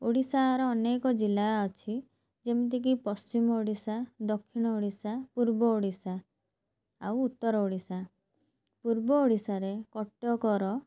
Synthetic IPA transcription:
oɽisaːɾɔːnekɔd͡ʒilaɔt͡ʃʰi | d͡ʒemit̪̬ek̬ipɔst͡ʃimɔoɽisad̪ɔkʰːiɽ̃ɔoɽisapuɾbɔoɽisaː | wut̪ːɔɾɔoɽisa | puɾbɔoɽisaɾekɔʈjɔkɔɾɔ

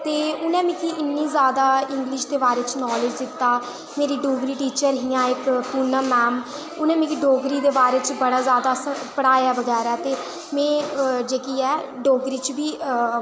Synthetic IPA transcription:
t̪eːʊnɛ̃ːmĩːkiɪnːiːzjaːd̪aːɪŋɡlɪʃd̪eːbaːɾeːt͡ʃnɔːlɪd͡ʒd̪ɪt̪ːaː | meːɾiːɖoːɡɾiːʈiːt͡ʃəɾɦijãːɪkpuːnaːmɛːm | ʊnɛ̃ːmĩːkiɖoːɡɾiːd̪eːbaːɾeːt͡ʃbəɽaːzjaːd̪aːsəpəɽaːjaːbəɡɛːɾɛːt̪eː | mɛ̃ːd͡ʒeːkiːɛːɖoːɡɾiːt͡ʃʋiː

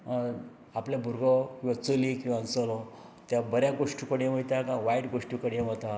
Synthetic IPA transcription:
apljabʱuɾɡɔkĩwʋat͡səlikĩwʋaːnt͡səlɔ | t̪jabəɾjaɡoʂʈiukəɽeʋ̤ət̪akãʋaiʈɡoʂʈikəɽaʋət̪a

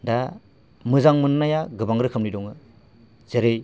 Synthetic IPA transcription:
da | mɯzaŋmɯnnajaɡɯbaŋɾɯkʰɯmnidɔŋɯ | zeɾej

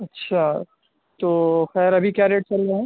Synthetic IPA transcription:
ɐtːʃʰa | t̪oːxɛːɾɐbʱikjaːɾeːʈ̚t͡ʃɐlːeɦɛ̃ː

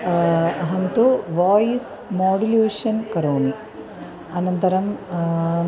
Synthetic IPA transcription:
ɐɦɐnt̪uʋaːjismoːɖileːʂɐnkɐɾoːni | ɐnɐnt̪ɐɾɐm

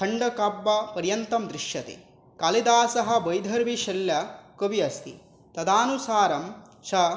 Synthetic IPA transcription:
kʰɐɳɖɐkɐbːɐpɐɾjɐnt̪ɐmd̪ɾɪʃjɐt̪ḛ | kalid̪aːsɐɦɐ̆bɐjd̪ʱɐɾʋiʃɐljɐkoʋiɐst̪ḭ | t̪ɐd̪aːnusaːɾɐm | ʃɐ

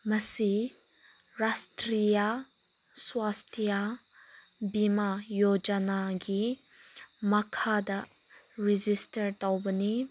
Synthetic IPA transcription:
mɐsi | ɾastɾija | swastʰija | bimajod͡ʒɐnaɡi | mɐkʰadɐ | ɾid͡ʒistɐɾtawbɐni

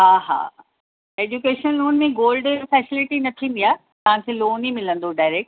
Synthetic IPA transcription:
ɦaːɦa̰ː | eːd͡ʑukeːʃənloːnmẽɡoːlɖefɛːsɪlɪʈinɐt̪ʰĩːnd̪ijaː | t̪ɐʋãkʰẽloːnimɪlə̃nd̪oɖaːɪɾeːk̚ʈ̚

